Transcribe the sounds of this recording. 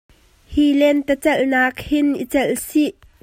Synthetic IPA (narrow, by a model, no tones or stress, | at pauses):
hilɛnt̪ət͡sɛlnaːkhɪnʔḭt͡sɛlsiʔ